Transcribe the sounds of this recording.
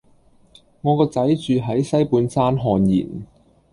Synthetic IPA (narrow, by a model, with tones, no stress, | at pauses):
ŋɔː˨˧kɔː˧t͡sɐ˨˥jt͡ʃyː˨ɦɐ˨˥jsɐ˥jpuː˨˧nsaː˥nɦɔː˧njḭː˨˩n